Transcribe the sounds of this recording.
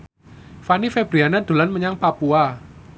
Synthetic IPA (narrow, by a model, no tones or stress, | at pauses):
fanifeb̥ɾianad̪̥o̤lanməɲaŋpapua